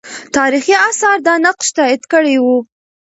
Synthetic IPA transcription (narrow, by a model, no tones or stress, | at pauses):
t̪ɑɾixiɑsɑɾd̪ɑnaqʃt̪ɑɪd̪kəɽejwu